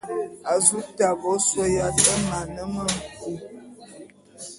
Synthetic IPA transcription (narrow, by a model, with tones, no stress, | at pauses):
a˨zu˦ta˨bɔ˨˦swɔ˦ja˦tə˦ma˨nə˦mə˦ŋ̩˨ku˦˨